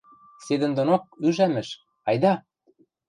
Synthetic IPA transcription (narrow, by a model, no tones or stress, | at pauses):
sed̪ə̆nd̪onok̚yʒæmɘ̆ʃ | ɑjd̪ɑ